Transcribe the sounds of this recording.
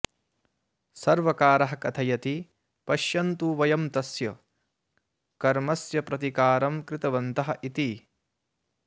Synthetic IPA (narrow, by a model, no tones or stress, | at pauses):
sɐɾʋɐkaːɾɐɦɐkɐt̪ʰɐjɐt̪i | pɐʃjɐnt̪uʋɐjɐmt̪ɐsjɐ | kɐɾmɐsjɐpɾɐt̪ikaːɾɐmkɾɪt̪ɐʋɐnt̪ɐɦɐ̆ʔit̪i